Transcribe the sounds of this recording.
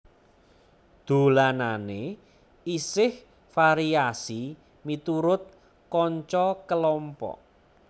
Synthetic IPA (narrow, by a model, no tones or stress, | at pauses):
d̪̥o̤lanane | isɪh | faɾiasi | mit̪uɾʊt̪̚ | kɔɲt͡ʃɔkəlɔmpɔ̰